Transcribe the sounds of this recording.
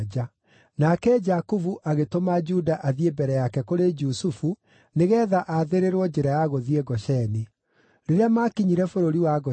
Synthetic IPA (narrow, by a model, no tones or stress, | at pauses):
d͡ʒa | nakɛd͡ʒakuvuʔaɣetomad͡ʒudaʔaðiebɛɾɛjakɛkoɾed͡ʒusufu | neɣɛðaʔaðeɾeɾwɔd͡ʒɛɾajaɣoðiɛɡɔɕɛne | ɾeɾeamakiɲiɾɛfoɾoɾiwaɡɔ